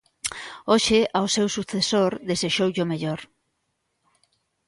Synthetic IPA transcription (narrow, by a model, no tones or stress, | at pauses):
oʃɪʔawsewsuθesoɾðeseʃowʎʊmeʎoɾ